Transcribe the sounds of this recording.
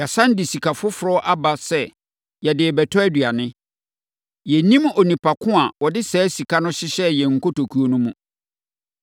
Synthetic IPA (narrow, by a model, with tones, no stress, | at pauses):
ja˨sã˦n˦dɪ˨si˨kʰa˨fʊ˦fʊ˨ɾɔ˦ʔa˦ba˦sɛ˦ | jɛ˨dɪ˨bɛ˨tʰɔ˦æ˦dɥa˨nɪ̃˦ | jɛ˨nĩ˦mɔ˨nĩ˨pʰa˨kʰʊ̃˦a˨wɔ˨dɪ˦sɛː˦si˨kʰa˦nʊ̃˦ɕɪ˦ɕɛ˦jɛ˨ŋ̩˨ko˦to˨kʰu˦o˦nũ˦mũ˨